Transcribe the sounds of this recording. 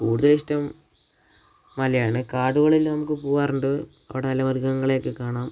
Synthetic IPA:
kuːɽuðɐlistːɐm | ɐlɐjaːɳɨkaːɖuɣɐɭilnɐmukːɨpoːaːruɳɖɨ | ɐ̰ʋiɽenɐlːɐʋɐrɡɐŋːɐɭe̞ːkːɨkaːɳaːm

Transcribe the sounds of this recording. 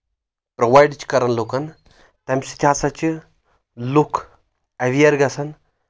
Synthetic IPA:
pɾoʋajɖt͡ʃkɐɾɐnlokɐn | t̪ɐmsi̥t̪ʲʰaːsɐt͡ʃi | lukʰ | ɐʋijɐɾɡɐsɐn

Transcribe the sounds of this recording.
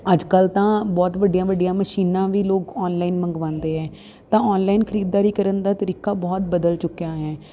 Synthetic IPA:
əd͡ʒkəlt̪ãːbɔːt̪ʋəɖɪjãːʋəɖɪjãːməʃiːnãːʋiːloːkɔːnlaːinməŋɡʋãːnd̪eːɦɛː | t̪ãːɔːnlaːinkʰəɾiːd̪̚ːaːɾiːkəɾənd̪aːt̪əɾiːkaːbɔːt̪̚bəd̪əlt͡ʃʊkːjaːɦɛː

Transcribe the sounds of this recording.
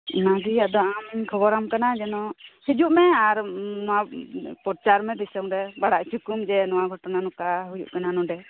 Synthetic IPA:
naɡiad̪ɔʔamkʰɔbɔɾamkanad͡ʒɛnɔhɛd͡ʒuʔmɛaɾnɔwapɔɾt͡ʃaɾmɛd̪isɔŋɾɛbaɽaʔsʰukumd͡ʒɛnɔwaɡʱɔʈɔnanɔkaɦujṵʔkananɔɖɛ

